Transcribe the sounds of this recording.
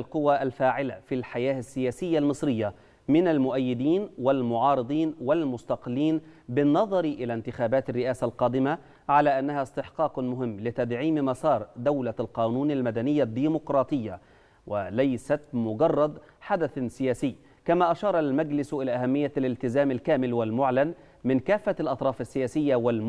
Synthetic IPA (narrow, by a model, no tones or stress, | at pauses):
lqʊwːaʔalfaːʕɪlafilħajaːasːɪjaːsɪjːalmɨsˤɾɪjːa | mɪnalmʊʔajːɪd̪iːnwalmʊʕɑːɾɨd̪ˤiːnwalmʊst̪ɑqɪlːiːnbɪnːɑðˤɑɾʔɪlant̪ɪxaːbaːt̪arːɪʔaːsalqɑːd̪ɪma | ʕalaːʔanːahaɪst̪ɪħqɑːqmʊɦɪmːlɪt̪ad̪ʕiːmmɑsˤɑːɾˤd̪awlalqɑːnuːnalmad̪anɪjːad̪ːiːmʊqɾˤɑːt̪ˤɨjːa | walajsat̪mʊɡɑrˤːɑd̪ | ħad̪aθsɪjaːsɪː | kamaːʔaʃɑːɾˤɑlmad͡ʒlɪsʔɪlaːʔahamːɪjːalɪlt̪ɪzaːmalkaːmɪlwalmʊʕlan | mɪnkaːfːalʔɑt̪ˤɾˤɑːfɪsːɪjaːsɪjːawalm